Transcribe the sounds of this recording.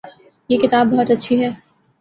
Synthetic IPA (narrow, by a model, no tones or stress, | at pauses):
jekɪt̪aːbːɔɦɔt̪ɐtːʃʰiɦɛː